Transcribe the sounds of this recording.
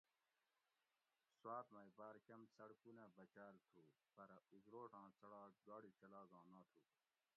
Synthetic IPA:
swaːt̪maibaːɾkɐmt͡sɐɽkunẽːbɐt͡ɕaːlt̪ʰuːpɐɾuzɾoːʈãːt͡sɐɽaːɡaːɽit͡ɕɐlaːɡãːnãːt̪ʰuː

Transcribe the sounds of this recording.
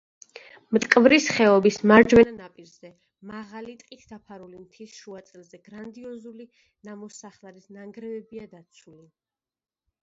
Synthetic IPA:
mt̪ʼkʼvɾisχɛɔbismaɾd͡ʒwɛnanapʼiɾz̥ɛ | maʁalit̪ʼqʼit̪ʰd̪apʰaɾulimt̪ʰisʃuat̪sʼɛlˠzɛɡɾand̪iɔzuli | namɔsaχlˠaɾisnaŋɡɾɛvɛbiad̪at̪sʰuli

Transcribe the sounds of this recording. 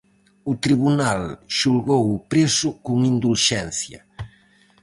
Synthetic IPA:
ut̪ɾiβunalʃulɣowupɾesʊkuŋind̪ulʃɛnθja

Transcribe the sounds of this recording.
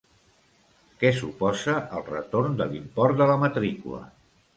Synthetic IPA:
kɛsupɔzəʔəlˠrə̰t̪oɾnd̪əlimpɔrd̪ələmət̪ɾikṵlə̰

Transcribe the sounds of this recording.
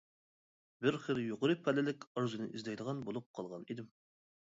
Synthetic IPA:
bɪɾχəljoqəɾɨpʰælɪlɪkʲɑɾzɨnɨ̰ʔizlɛjd̪əʁɑnbolˠup̚qʰɑlˠʁɑnid̪ɪm

